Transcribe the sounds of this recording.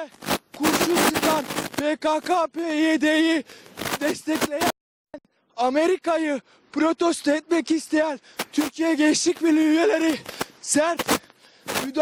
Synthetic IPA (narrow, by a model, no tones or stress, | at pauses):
kʰuɾʃut͡ʃɯkʰanpekakapeed̪ejid̪ɛst̪ʰɛclʲe̞jɛn | æn | ame̞ɾikajɯ | pɾo̞t̪ʰost̪ʰɛt̪̚mɛcist̪ʰe̞jæn | t̪ʰyɾcʰijɛɟeit͡ʃlʲicbilʲyjelʲeɾiz̥æɾt̪ | myd̪